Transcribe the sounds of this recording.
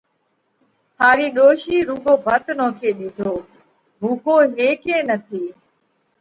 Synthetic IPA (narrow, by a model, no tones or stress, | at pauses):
t̪ʰaːɾiːɗoːʃiːɾuːɡoːbʱət̪nõːkʰeːɗiːɖ̪ʱoː | bʱuːkoːɦeːkẽːnət̪ʰiː